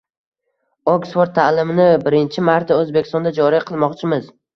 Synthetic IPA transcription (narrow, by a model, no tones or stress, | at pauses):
oksfoɾt̪ʰːalɪmɪnɪbɪɾɪnt͡ʃʰɪmaɾt̪ʰaɵzbekʲɪ̥st̪ɒnd̪ad͡ʒɒɾɪqʰɨlˠmɒqt͡ʃʰɪmɪz